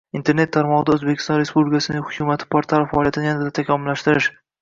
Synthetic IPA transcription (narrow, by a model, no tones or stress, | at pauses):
int̪ʰe̞ɾne̞t̪ʰːaɾmɒʁɨd̪aɵzbekʲʰɪ̥st̪ɒnɾe̞spublɪkasɪnɪŋhʊkʲʰʊmat̪ʰɪ̥pʰoɾt̪ʰaɾfaɒlijat̪ɪnɪjandad̪at̪ʰakʲʰɒmʊlːaʃt̪ɪɾɪʃ